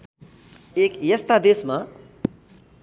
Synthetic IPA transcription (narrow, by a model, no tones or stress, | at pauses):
ekjʌst̪ad̪esma